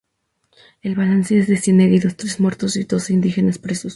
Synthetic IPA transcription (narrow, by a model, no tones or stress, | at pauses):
e̞lβalanse̞ezðeseneɣiðo̞st̪ɾe̞zmwe̞ɾt̪o̞siðo̞sind̪ixe̞naspɾe̞sos